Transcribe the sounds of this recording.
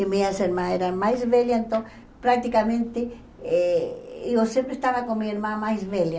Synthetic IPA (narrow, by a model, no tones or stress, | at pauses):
emiaseɾmaneɾamaizβeljant̪o | pɾak̚t̪ikamẽnt̪e | e | osjempɾest̪aβakoŋmieɾmamaizβelja